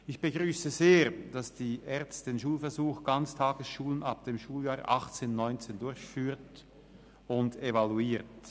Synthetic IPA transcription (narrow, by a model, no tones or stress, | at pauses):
ɪçb̥əɡʁyːsəzeːʁd̥asd̥iːʔɛʁt͡sstd̥eːnʃuːlfɛɐzuːxɡ̥ant͡stʰaːɡəsʃuːlənap̚d̥eːmʃuːljaːɐʔɑ̰χt͡seːnːɔʏnt͡seːndʊʁçfyːʁt | ʊndevaluiːʁt